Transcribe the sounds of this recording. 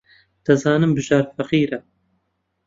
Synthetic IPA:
d̪̥ɐzɑːnɨmbɨʒaːɾfɐqiːɾɐ

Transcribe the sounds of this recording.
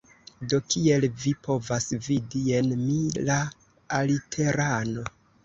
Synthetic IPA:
do̞kie̞lvipʰo̞vasvidie̞nmilaː | litʰe̞ɾano̞

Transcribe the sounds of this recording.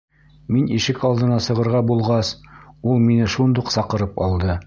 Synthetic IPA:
miniʃɘkɑlˠd̪ɤ̆nɑsɤ̆ʁɤ̆ɾʁɑbulˠʁɑsulˠminɘʃund̪uqsɑqɤ̆ɾɤpɑ̰lˠd̪ɤ

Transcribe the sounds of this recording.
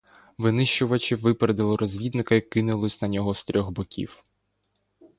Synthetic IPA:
ʋɪnɪʃt͡ʃʊʋɐt͡ʃɪʋɪpeɾed̪ɪlˠɪɾɔzʲʋʲid̪nɪkɐikːɪnʊlˠɪsʲnɐnʲɔɦɔst̪ɾʲʔɔɣbɔkʲḭw

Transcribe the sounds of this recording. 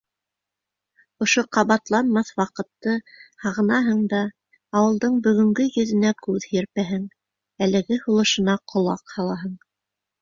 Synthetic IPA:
ŏʃoqɑβɑt̪lˠɑnmɑθwɑqɤ̆t̪ːɤhɑʁɤ̆nɑɦɤɴd̪ɑː | wɤ̆lˠd̪ɤɴbɵ̆ɣɵ̆ŋɡɵjɵ̆ðɘ̆nækʉðhjɘɾpæɦɘŋ | ælɘ̆ɡɘhulˠɤ̆ʃɤ̆nɑqʰŏlˠɑqhɑlˠɑɦɤɴ

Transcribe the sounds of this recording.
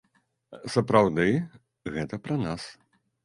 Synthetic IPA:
sɐpɾawd̪ɨ | ɣɛt̪ɐpɾɐnas

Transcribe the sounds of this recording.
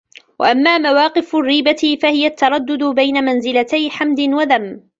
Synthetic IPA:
wa̰ʔamːaːmawɑːqɨfrːiːbaɪfahɪjat̪ːɑɾˤɑd̪ːʊd̪ʊbajnamanzɪlat̪ajħamd̪ɪnwaðam

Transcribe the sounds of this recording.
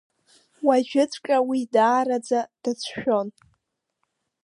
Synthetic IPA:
waʒᶣʊt͡sʰʷʼkʼawidaːɾad͡zad̥at͡sʷʰʃᶣo̞n

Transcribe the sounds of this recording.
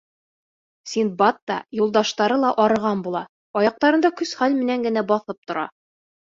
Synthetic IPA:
sinbɑt̪ːɑ̰julˠd̪ɑʃt̪ɑɾɤlˠɑʔɒɾɤ̆ʁɑnbulˠɑ | ɒjɑq̚t̪ɑɾɤ̆nd̪ɑkɵsχælmɘ̆næŋɡɘ̆næbɒθɤp̚t̪ŏɾɑ̰

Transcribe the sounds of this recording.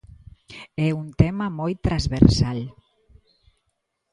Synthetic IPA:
ɛunt̪ɛmamɔjt̪ːɾazβeɾsaʎ

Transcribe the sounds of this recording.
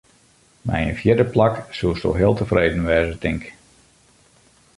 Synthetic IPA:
mɛ̰jə̰nfjɪrdəplɑksulˠsto̰ɦɪːlˠtəvreːdənʋɛːzətɪŋk

